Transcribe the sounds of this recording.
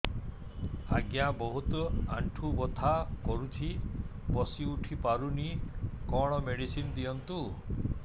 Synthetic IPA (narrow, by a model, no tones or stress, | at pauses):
aɡjabɔɦut̪ɔaɳʈʰubɔt̪ʰakɔɾut̪ʰi | bɔsiuʈʰipaɾunikɔɽ̃ɔmeɽisinɔd̪iɔnt̪u